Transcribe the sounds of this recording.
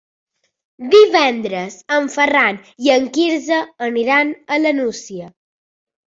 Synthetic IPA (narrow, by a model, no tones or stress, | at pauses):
d̪iβɛnd̪ɾəzəɱfəraniəŋkiɾzəːniɾanələnusiə